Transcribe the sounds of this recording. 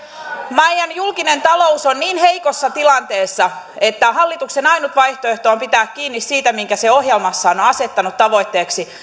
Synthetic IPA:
mɑjɑnjulkinent̪ɑlo̞usonniːnheikosːɑt̪ilɑnt̪eːsːɑ | et̪ːæhɑlːit̪uksenɑjnut̪ʋɑjht̪oeht̪oːmpit̪æːkkiːnːissiːt̪æmiŋkæseo̞hjelmɑsːɑːnonɑse̞t̪ːɑnut̪tɑʋo̞it̪ːe̞ːksi

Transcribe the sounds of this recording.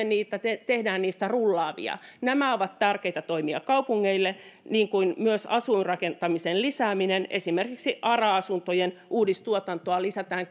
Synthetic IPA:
enniːt̪æt̪et̪ehdæːnniːst̪ærulːɑːʋḭɑ̰næmæoʋɑt̪t̪ærkeit̪æt̪oimiɑkkɑupuŋːeilːeniːŋkuinmyøsɑ̰suinrɑkent̪ɑmisenlisæːminenḛsimerkiksiʔɑrɑɑsunt̪ojenʔuːdist̪uot̪ɑnt̪oɑlisæt̪æːŋ

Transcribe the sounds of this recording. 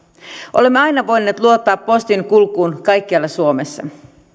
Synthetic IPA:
ʔo̞̰le̞mːeɑjnɑʋo̞jnːe̞ːt̪luo̞t̪ːɑːpːo̞st̪iŋkulkːˑuːnkɑjkːiɑlːɑsuome̞sːɑ̰

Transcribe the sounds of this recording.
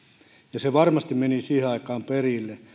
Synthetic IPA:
jɑseʋɑrmɑst̪imenisiːheɑikɑːmperilːe

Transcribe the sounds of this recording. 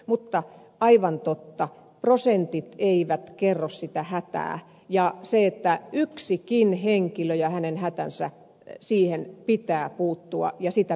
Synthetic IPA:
mut̪ːɑ | ɑiʋɑnt̪ot̪ːɑ | prosent̪it̪eiʋæt̪kerːossit̪æhæt̪æ̰ː | jɑseet̪ːæyksikinheŋkiløjɑhænenhæt̪ænsæ̰ | siːhenpit̪æːpuːt̪ːuɑ̰jɑsit̪æ

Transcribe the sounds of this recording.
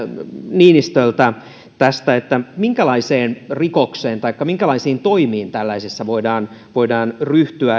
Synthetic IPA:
niːnist̪olt̪ɑ | t̪æst̪æet̪ːæmiŋkælɑiseːnrikokseːnt̪ɑikːɑmiŋkælɑisiːnt̪oimiːnt̪ælːæisesːæʋoidɑːnʋoidɑːnryht̪yæ

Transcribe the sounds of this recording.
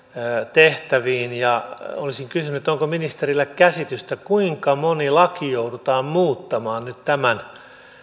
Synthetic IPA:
t̪eht̪æʋiːnjɑolisiŋkysynyt̪oŋkominist̪erilːekkæsit̪yst̪ækuiŋkɑmonilɑkijouɾut̪ɑːmmuːt̪ːɑmɑːnnyt̪t̪æmæn

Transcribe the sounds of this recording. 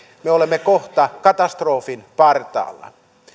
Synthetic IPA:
meolemːekoht̪ɑkɑt̪ɑst̪roːfinpɑrt̪ɑ̰ːlːɑ̰

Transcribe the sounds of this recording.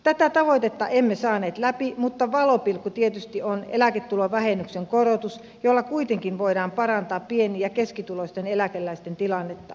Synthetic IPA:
t̪æt̪æt̪ɑʋoit̪et̪ːɑʔemːesɑːneːt̪læpimut̪ːɑʋɑlopilkːut̪iet̪yst̪ionḛlæket̪ːuloʋʋæhenːykseŋkorot̪us | jolːɑkuit̪eŋkinʋoidɑːmpɑrɑnt̪ɑːppieniːjɑkeskit̪ulost̪enelækelːæist̪ent̪ilɑnːet̪ːɑ

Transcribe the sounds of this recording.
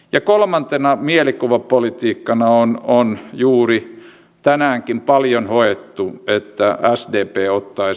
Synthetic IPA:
jɑkolmɑnt̪enɑmielikuʋɑpolit̪iːkːɑnɑononjuːri | t̪ænæːŋkimpɑljonhoet̪ːuet̪ːææsdeːpeːot̪ːɑi

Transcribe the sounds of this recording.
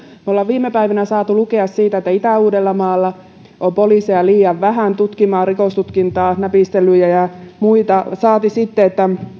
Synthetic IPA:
molːɑʋʋiːmepæiʋinæsɑːt̪ulukeɑssiːt̪æet̪ːæit̪æuːdelːɑmɑːlːɑ | ʔompoliseɑliːjɑʋʋæhænt̪ut̪kimɑːrikost̪ut̪kint̪ɑːnæpist̪elyjæjɑmuit̪ɑsɑːt̪isit̪ːeet̪ːæ

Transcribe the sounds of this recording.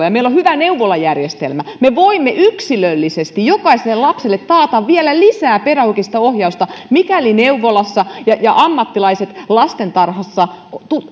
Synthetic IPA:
ɑjɑmeilːohyʋæneuʋolɑjærjest̪ḛlmæmeʋoimːeʔyksilølːisest̪ijjokɑiselːelɑpselːet̪tɑːt̪ɑʋʋielælisæːperæhukist̪ɑohjɑust̪ɑmikælineuʋolɑsːɑjɑjɑʔɑmːɑt̪ːilɑiset̪lɑst̪ent̪ɑrhɑsːɑkt̪u

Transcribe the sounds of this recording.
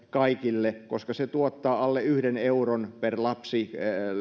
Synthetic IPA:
kɑikilːeko̰skɑset̪uot̪ːɑːɑlːeyhdeneuronperlɑpsi

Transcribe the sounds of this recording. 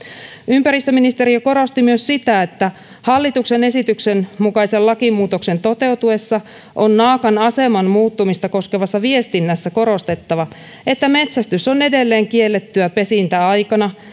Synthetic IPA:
ympæɾist̪øminist̪e̞ɾiɑko̞ɾo̞st̪imyøssit̪æet̪ːæ | hɑlːit̪ukse̞ne̞sit̪ykse̞nmukɑise̞llɑkimuːt̪o̞kse̞nt̪o̞t̪e̞wt̪ue̞sːɑ | ʔo̞nːɑːkɑnɑse̞mɑnmuːt̪ːumist̪ɑko̞skeʋɑsːɑʋie̞st̪inːæsːæko̞ɾo̞st̪e̞t̪ːɑʋɑ | et̪ːæme̞t̪sæst̪yso̞ne̞de̞lːe̞ːŋkie̞lːet̪ːyæpe̞sint̪æɑjkɑnɑ

